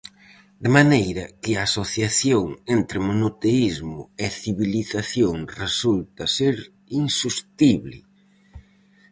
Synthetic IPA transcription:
d̪ɪmanejɾɐkɪaːsoθjaθjoŋent̪ɾɪmonot̪eizmʊ̰eθiβiliθaθjoŋresult̪ɐseɾ | insust̪iβlɪ̰

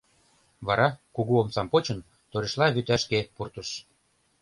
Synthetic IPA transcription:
βɑɾɑkuɣuomt͡sɑmpot͡ɕə̆n | t̪oɾeʃlɑβyt̪æʃkepurt̪əʃ

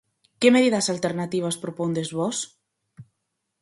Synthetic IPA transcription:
kemeðiðasalt̪eɾnat̪iβ̞aspɾopond̪ezβɔs

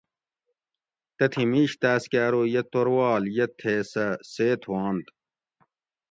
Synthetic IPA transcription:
t̪ɐt̪ʰimiːɕt̪æːskaːɾojɐt̪oɾwaːljɐt̪ʰeːsɐseːt̪ʰwaːnt̪

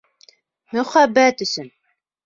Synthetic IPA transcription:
mɵ̆χæbːæt̪ɵ̆sɘn

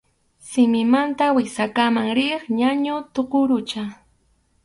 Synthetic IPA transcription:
sɪmɪmant̪awɪsakamaŋɾɪχɲaɲʊt̪oqʊɾʊt͡ʃa

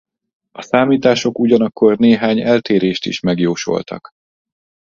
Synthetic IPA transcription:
ɒsaːmiːt̪aːʃo̞kuɟɒnɒkːo̞rneːɦaːɲɛlt̪eːɾeːʃt̪ḭʃmɛɡjoːʃo̞̰lt̪ɒ̰k

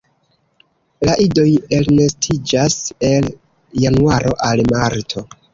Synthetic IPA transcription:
laʔido̞jelnestʰid͡ʒase̞l | januaɾʔo̞ʔalmaɾtʰo̞

